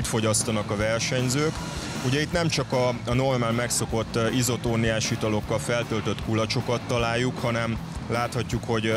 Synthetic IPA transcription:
t̪fo̞ɟɒst̪ɒnɒkɒvɛrʃɛɲzøːk | uɟɛit̪nɛmt͡ʃɒkɒɒno̞rmaːlmɛkso̞ko̞t̪ːizo̞t̪oːnːiaːʃit̪ɒlo̞kːɒlfɛlt̪ølt̪ø̞t̪kulɒt͡ʃo̞kɒt̪ːɒlaːjːukhɒnɛmlaːt̪hɒcːukho̞ɟ

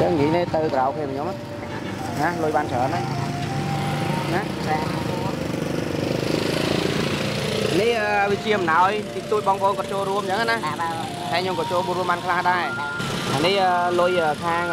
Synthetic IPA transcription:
t͡ɕəŋːiəneːt̪əwkəɾawkʰniəpʰːɲoma | nalʊjɓaːnt͡ɕʰəːna | nahaku | anihʔəːʋit͡ɕiəmnaɔjt̪it̪uəc̚ɓɑːŋpəʔoːnkɔɑt͡ɕoːlruəmt͡ɕəŋanah | ɗaɛɲomkɔːt͡ɕoːlɓunruəmɓaːnkʰlahɗaɛ | ʔanihʔəːlʊjəːkʰaːŋ

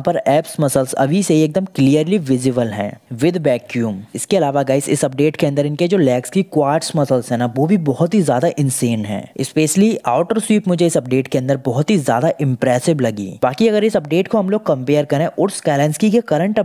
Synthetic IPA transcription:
pəɾɛːpsmɐsəlsɐ̰bʱiseɦieːk̚d̪əmkliːjəɾliʋɪzɪbəlɦɛ̰̃ːʋɪd̪ʱbɛːkjuːmɪskeɐlaːʋaɡaːɪsɪ̰sɐp̚ɖeːʈkeɐ̃nd̪əɾɪnked͡ʒoːlɛːkskikwaːɾʈsmɐsəlzɦɛnaʋoːbʱibɔɦʊt̪ɦizjaːd̪aʔɪ̃nseːnɦɛ̰̃ːɪspeːʃəlia̰ːʊʈəɾswiːpmʊd͡ʒʱeɪsɐp̚ɖeːʈkeɐ̃nd̪əɾbɔɦʊt̪ɦizja̰ːd̪aʔɪ̃mpɾɛːsɪblɐɡḭːbaːkiɐɡəɾɪsɐp̚ɖeːʈkoɦɐmloːɡ̚kɐ̃mpeːəɾkɐɾẽʔʊɾskɛːlɛ̃nskikekɐɾə̃ɳʈɐ

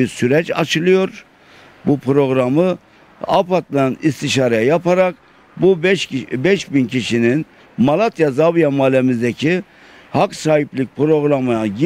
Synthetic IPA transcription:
iɾsyɾɛt͡ʃa̰t͡ʃʰɯlˠɯjo̞ɾ | bupʰɾo̞ɡɾamɯ | a̰pʰat̪lˠanist̪ʰiʃaːɾajajapʰaɾak | bubbɛʃbincʰiʃinin | malˠat̪ʰjazavijamaːlʲɛmizd̪ɛcʰi | haksaːɦiplʲic̚pɾo̞ɡɾamɯaɟi

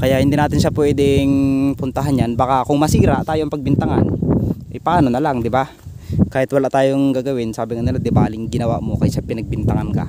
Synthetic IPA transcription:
kɐjaʔhɪnd̪inaːt̪ɪnʃapwɛːd̪ɛŋpʊnt̪ɐɦanɲanbaːkakʊŋmɐsiːɾɐt̪aːjoʔɐŋpɐɡ̚bɪnt̪ɐŋanʔɛjpɐʔaːnonɐlaŋd̪ɪba | kaːhɪt̪wɐlaʔt̪aːjoŋɡaːɡɐwɪnsaːbɪŋɐnɪlad̪ɪbaːlɪŋɡɪnɐwa̰ʔmo̞kɐjʃapɪnɐɡ̚bɪnt̪ɐŋanka̰

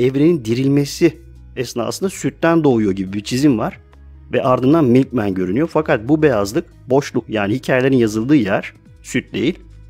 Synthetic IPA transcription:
ɛvɾe̞nind̪iɾilʲmesi | ɛsɯnd̪a̰sɯnd̪asyt̪ːænd̪o̞ːujo̞ɟibibit͡ʃʰizimvaɾ̥ | vɛʔaɾd̪ɯnd̪anmilʲc̚mænɟø̞ɾynyjo̞fakʰat̪̚bubejazlˠɯk | bo̞ʃlˠukjaːnihicʰaːjelʲeɾinjazɯlˠd̪ɯːjæɾ̥ | syt̪̚d̪e̞̰jilʲ

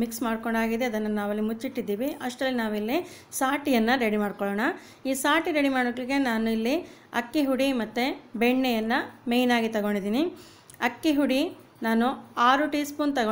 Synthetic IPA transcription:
miksmaːɽkoɳɖaːɡid̪eɐd̪ɐnːɐnaːʋɐlːimut͡ʃːiʈːid̪ːiːʋiʔɐʂʈɐlːinaːʋilːi | saːʈijɐnːɐɾeɽimaːɽkoɭɔːɳɐ | iːsaːʈiɾe̞ɽimaːɽokɭiɡe̞naːnuilːi | ɐ̰kːiɦuɽimɐt̪ːubɛɳːɛjɐnːɐme̞jnaːɡit̪ɐɡo̞ɳɖid̪iːni | ɐkːiɦuɽi | naːnuaːɾuʈiːspunt̪ɐɡo

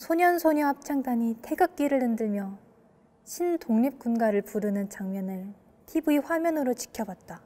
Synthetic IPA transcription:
sʰoɲʌnsʰoɲʌap̚t͡ɕʰaŋdaɲitʰe̞ɡak̚k͈iɾɯɭɯndɯɭmjʌ | ɕʰindoŋɲip̚k͈unɡaɾɯɭpuɾɯnɯnt͡ɕaŋmjʌnɯɭ | tʰibɯiɸwamjʌnɯɾot͡ɕi̥kʰjʌbwat̚t͈a

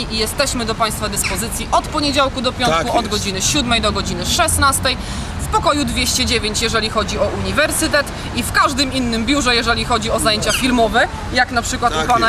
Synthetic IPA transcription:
iʔijɛst̪ɛɕmɘd̪ɔpaj̃st̪fad̪ɘspɔzɘt̪sʲjiʔɔt̪pɔɲed͡ʑawkud̪ɔpʲjɔnkuɔd̪ɡɔd͡ʑinɘɕud̪mɛjd̪ɔɡɔd͡ʑinɘʂɛsnast̪ɛj | fpɔkɔjud̪vʲjeɕt͡ɕɛd͡ʑevʲjeɲt͡ɕjɛʐɛlʲixɔd͡ʑiɔʔuɲivɛɾsɘt̪ɛt̪ | ifkaʐd̪ɘminːɘmbʲjuʐɛjɛʐɛlʲixɔd͡ʑiɔzajeɲt͡ɕafʲilmɔvɛ | jaknapʂɘkwat̪pana

